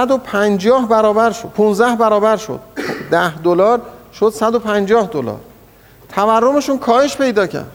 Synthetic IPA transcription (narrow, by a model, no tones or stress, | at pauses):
sæd̪opʰænd͡ʒɒːhbæɾɒːbæɾʃopʰunzd̪æhbæɾɒːbæɾʃo̰d̪̥̚d̪æhd̪olɒːɾʃod̪̥sæd̪o̞pʰænd͡ʒɒːhd̪olɒ̰ːɾ | t̪ʰæværːo̞me̞ʃuːnkʰɒːhe̞ʃpe̞jd̪ɒːcʰæ̰ɾd̪̥